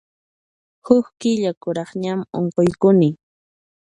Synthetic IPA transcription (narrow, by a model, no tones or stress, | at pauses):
hʊkkɪʎakʊɾɑχɲamoɴqojkʊnɪ